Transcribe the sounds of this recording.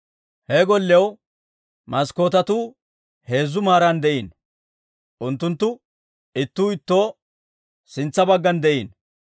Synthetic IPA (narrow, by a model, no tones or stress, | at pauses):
hɛɡɔlːɛw | mɐsko̞ːt̪ɐt̪uː | he̞ːzːʊmaːɾɐnd̪ɛʔiːn | ʔʊnt̪ːʊnt̪ːʊ | ɪt̪ːuːɪt̪ːo̞ː | sɪnt͡sːɐbɐɡːɐnd̪ɛʔiːn